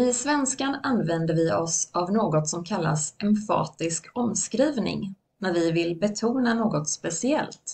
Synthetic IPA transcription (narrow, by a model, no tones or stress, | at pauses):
ɪsvɛnskananːvɛnd̪əɾvɪɔsavnoːɡɔt̪sɔmkʰalːa̰sɛmfɑ̰ːt̪ɪskʰɔmskɾiːvnɪ̰ŋ | næɾvɪvɪlbɛt̪ʰuːnanoːɡɔt̪spɛsɪɛ̰lt̪